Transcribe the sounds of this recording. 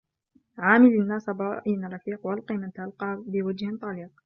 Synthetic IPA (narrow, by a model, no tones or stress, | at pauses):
ʕaːmɪlanːaːsɑbɑːʔinrˤɑfiːqwalqiːmant̪aʔalqɑːbɪwad͡ʒht̪ˤɑliːq̚